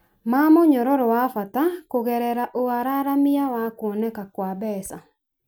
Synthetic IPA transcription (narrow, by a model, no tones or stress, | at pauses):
mamoɲɔɾɔɾɔwafatakoɣɛɾɛɾaʔoaɾaɾamɪjawakwɔnɛkakwabɛːsa